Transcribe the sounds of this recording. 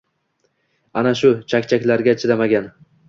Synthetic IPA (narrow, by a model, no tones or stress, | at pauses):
anaʃʊt͡ʃʰakʲt͡ʃʰakʲlaɾɡʲat͡ʃʰɪd̪amaɡʲan